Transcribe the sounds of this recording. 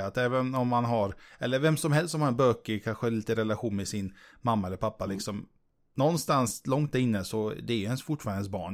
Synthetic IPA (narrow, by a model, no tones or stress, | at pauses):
at̪ɛːvənɔmːanɦaɾɛlːəɾvɛmsɔmɦɛlst̪ːɔmhaɾɛnbøːkːəkʰanɧəniːt̪əɾɛlaɧuːnmɛsɪnmamːaɛlːəɾpʰapːalɪksɔm | nɔnːst̪anslɔŋt̪̚æɾɪnːəsɔd̪ɛːɾjɵhɛnsfʊʈːfɑːɾaɛsbɑ̰ːɳ